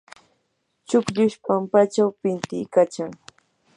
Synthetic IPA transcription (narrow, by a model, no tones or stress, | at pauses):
t͡ʃʊkʎʊʃpampat͡ʃawpɪnt̪ɪkat͡ʃaŋ